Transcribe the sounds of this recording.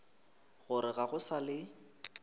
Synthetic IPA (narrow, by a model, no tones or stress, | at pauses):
ɣʊɾɪɣaɣʊsalɪ